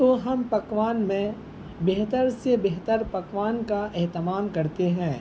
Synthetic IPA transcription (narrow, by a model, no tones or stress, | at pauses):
t̪oɦɐmpɐkʋaːnmẽ | beɦt̪əɾsebeɦt̪əɾpɐkʋaːnkaʔɛɦt̪ɪmaːmkɐɾt̪eɦɛ̃ː